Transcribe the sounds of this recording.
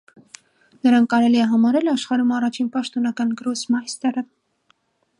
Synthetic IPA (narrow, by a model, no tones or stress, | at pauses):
nəɾɑŋkːɑɾɛliɛɦɑmɑɾɛlɑʃχɑɾumɑrɑt͡ʃʰinpɑʃt̪ɔnɑkɑnɡəɾɔsmɑjst̪ɛɾə